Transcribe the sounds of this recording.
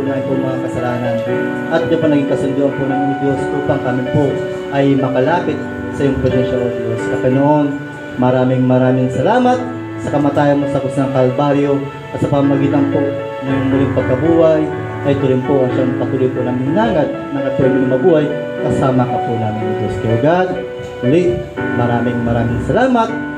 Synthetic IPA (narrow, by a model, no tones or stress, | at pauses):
maːʔɪnpʊŋmɐŋakɐsɐlaːnɐn | ʔɐt̪̚jʊpaɐnɐɡiŋkɐsʊnd̪uːʔɐnpʊnaːmɪnɪd̪jo̞sʔuːpaŋkamɪpoʔ | ʔɐjmɐkɐlaːpɪt̪̚ | sɐʔɪjʊŋpɾɛsɛnʃɐnɐd̪joskɐkɐnoʔon | mɐɾaːmɪŋmɐɾaːmɪŋsɐlaːmɐt̪̚ | sɐkɐmɐt̪aːjɐnmosɐkʊsnɐŋkɐlbaɾjo̞ | ʔɐt̪sɐpɐmmɐɡiːt̪ɐnpo̞ʔ | nɐjʊŋmʊlɪŋpɐɡ̚kɐbuːhɐn | ʔɐt̪ʊɾɪnpoʔɐŋʃanɐkɐt̪ʊlojpʊnɐŋɪŋnaːŋɐd̪̚mɐŋap̪ɛmɪlɪŋmɐbuːhɐj | kɐsaːmɐkɐp̪ʊnaːmɪnɐd̪jost̪ɛlɐɡad̪ | ʊlitmɐɾaːmɪŋmɐɾaːmɪŋsɐlaːmɐt̪̚